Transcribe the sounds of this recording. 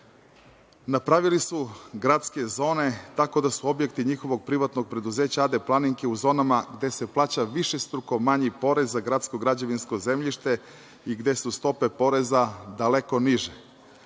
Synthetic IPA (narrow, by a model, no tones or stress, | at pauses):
napɾaʋilisuɡɾat̪ske̞zo̞ːne̞t̪ako̞d̪asuo̞bjekt̪iɲixo̞ʋo̞ɡ̚pɾiʋat̪no̞ɡ̚pɾe̞d̪uze̞ːt͡ɕaad̪e̞plˠaniŋkeuzo̞ːnamaɡd̪e̞se̞plˠaːt͡ɕaʋiʃest̪ɾuko̞maɲipo̞ɾe̞zːaɡɾat̪sko̞ɡɾad͡ʑoʋinsko̞ze̞mʎiʃt̪e̞ | iɡd̪e̞sust̪o̞pe̞po̞ɾe̞zad̪aleko̞niʒe